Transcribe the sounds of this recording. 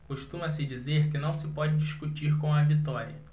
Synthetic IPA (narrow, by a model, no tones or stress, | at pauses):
koʃt̪ũmɐsɪd͡ʒizeɾkɪnɐ̃w̃sɪpɔd͡ʒɪd͡ʒiʃkut͡ʃiɾkõw̃ɐvit̪ɔɾiɐ